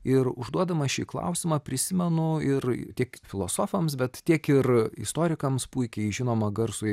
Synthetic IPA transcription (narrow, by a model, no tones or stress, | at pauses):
ɪrʊʒd̪uɔd̪ɐmɐʃʲiːklˠɐ̰ʊsʲɪmɑːpʲɾʲɪsʲɪmʲɛnʊɪrt̪ʲiɛkfʲɪlˠoːsoːfɐmsbʲɛt̪t̪ʲiɛkɪrɪ̰st̪oːɾʲɪkɐmspuɪkʲɛɪʒʲɪnoːmɐɡɐrsʊ